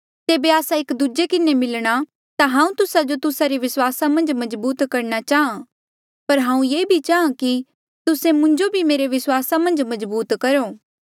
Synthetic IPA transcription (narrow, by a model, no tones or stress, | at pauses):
t̪eːbeaːsaeːkd̪uːd͡ʒekɪnemɪlɽ̃a | t̪aɦãːũt̪ʊsad͡ʒot̪ʊsaɾiʋɪswaːsamɐ̃nd͡ʒmɐzbuːt̪kɐɾnat͡ʃaːɦã | pɐɾɦãːũjeːbʱit͡ʃaːɦãki | t̪ʊsẽmʊ̃ɲd͡ʒobʱimeːɾeʋɪswaːsamɐ̃nd͡ʒmɐzbuːt̪kɐɾoː